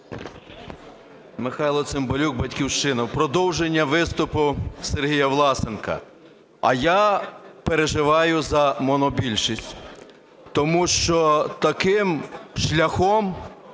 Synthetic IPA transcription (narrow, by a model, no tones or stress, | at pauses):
mɪxɑjlˠɔsɪmbɔlʲuk̚bɐtʲkʲiwʃt͡ʃɪnɐwpɾɔd̪ɔwʒenʲːɐʋɪst̪ʊpʊserɦijɐʋlˠɑsenkɐ̰ | ɐ̰japeɾeʒɪʋɑjʊzɐmɔnɔbʲilʲʃisʲtʲ | t̪ɔmuʃt͡ʃɔt̪ɐkɪmʃlʲɐxɔm